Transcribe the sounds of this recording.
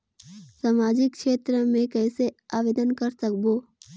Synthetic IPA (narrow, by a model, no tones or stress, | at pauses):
saːmaːd͡ʒɪkʃeːt̪ɾəmẽkɛːseaːʋeːd̪ənkɐɾsɐkboː